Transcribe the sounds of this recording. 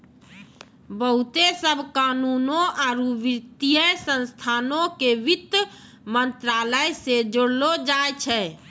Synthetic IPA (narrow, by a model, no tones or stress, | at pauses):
bəɦut̪esəbʱkanunoaɾuʋiɾt̪ijəsə̃nst̪ʰanõkeʋit̪ː | mənt̪ɾaləjsed͡ʒoɽlod͡ʒajt͡ʃʰɛ